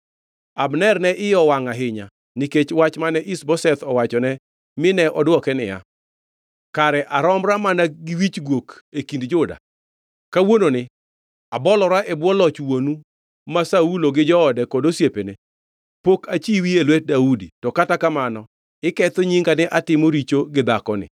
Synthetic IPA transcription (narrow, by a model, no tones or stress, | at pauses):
abnɛrnɛʔɪjɔwaŋaɦɪɲa | niket͡ʃwat͡ʃmanɛʔisbɔsɛt̪ɔwat͡ʃɔnɛ | mɪnɛʔɔdwɔkɛnɪ̰ja̰ | kaɾɛʔaɾɔmɾamanaɡɪwit͡ʃɡwokekindd͡ʒʊda̰ | kawononɪ | abɔlɔɾaʔɛbwɔlɔt͡ʃwonu | masauloɡɪd͡ʒɔːdɛkɔdosjepene | pokat͡ʃiwielwɛt̚daudḭtɔkatakamanɔ | ɪkɛt̪oɲiŋɡanɛʔatɪmoɾit͡ʃoɡɪd̪akɔnɪ̰